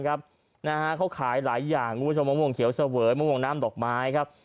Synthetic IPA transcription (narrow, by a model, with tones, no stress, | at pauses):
kʰa˦˥p̚ | na˦˥ha˦˥kʰa˦˥wkʰaː˩˦jlaː˩˦jːaː˨˩ŋʰu˦pʰt͡ɕʰo˧mːaː˧˥˩wo˧˩ŋkʰi˨˩˦wsa˧wɤː˩˦jmaː˧˥˩wo˧˩ŋnaː˦˥mdɔː˨˩k̚maː˦˥jkʰa˦˥p̚